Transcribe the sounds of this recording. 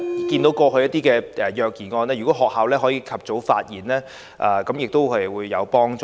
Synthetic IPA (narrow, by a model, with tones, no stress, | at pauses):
kiː˧nt̪o˨˥wkɔː˧kʰɵ˧jɐ˥t̚t̪iː˥kɛː˧ʔɛ˨˩jœː˨k̚jiː˨˩ŋɔː˧nɛː˥jy˨˩kɔ˨˦˥ɦɔː˨k̚haː˨wlɛː˥ɦɔː˨˥jiː˨˧kʰɐ˨p̚t͡so˨˥wfa̰ː˧t̚jiː˨˩nlɛː˥ | ʔaː˨˩kɐ˨˥mjɪ˨k̚t̪o˥whɐ˨jwuː˨˧jːɐ˨˧wpɔː˥ŋt͡sː